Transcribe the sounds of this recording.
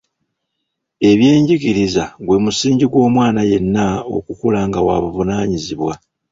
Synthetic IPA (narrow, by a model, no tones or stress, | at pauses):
e̞βje̞ːɲɟiɡiɾizaɡwe̞musiːɲɟiɡwo̞ːmwaːnaje̞nːao̰kukulaːŋɡawa̰ːβuvunaːɲiziβwa